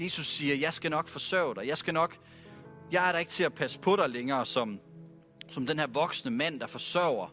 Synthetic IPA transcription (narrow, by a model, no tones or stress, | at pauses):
je̝ːsusːiːɐjɑ̈ɪsɡ̥ænɒ̽ɡ̥fɒ̽sœʊd̥ɑjɑ̈ɪsɡ̥ænɒ̽ɡ̥ | jɑ̈ɪæɐɾɑ̈e̝ɡ̥t͡sʰe̝æpʰæsə̥pʰɒ̽ɾɑ̈ɪleŋɐːsɒ̽m | sɒ̽md̥enhæɐʋɒ̽ɡ̥snəmæn̰d̥ɑ̈fɒ̽sɶʊ̰ɐ